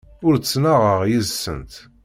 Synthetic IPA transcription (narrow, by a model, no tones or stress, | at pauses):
ʊɾt͡sːnaʁəʁjəzsə̰nt̪